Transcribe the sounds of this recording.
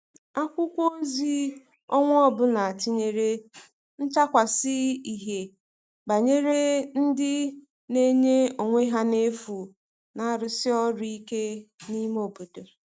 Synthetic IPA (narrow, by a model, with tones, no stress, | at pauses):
a˦kʷʊ˦kʷo˦zi˦ | ɔ˦ŋʷ˦ɔ˦bʊ˦na˨a˨ti˦ɲe˨ɾe˦ | n̩˦t͡ʃa˦kʷa˨sɪ˦i˨ɦe˨ | ba˨ɲe˦ɾe˦n̩˦dɪ˦ | ne˦ɲe˦o˨ŋʷe˦ɦa˦ne˦fu˨ | na˦ɾʊ˨sɪ˦ɔ˦ɾʊ˦i˦ke˦ni˦m˦o˨bo˨do˨